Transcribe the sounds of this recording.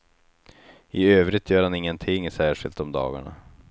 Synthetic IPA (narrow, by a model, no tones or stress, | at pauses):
ɪøːvɾɪt̪ʰjœːɾhanɪŋːənt̪ʰɪŋːsæːʂɪ̰lt̪ɔmd̪ɑ̰ːɡa̰ɳa̰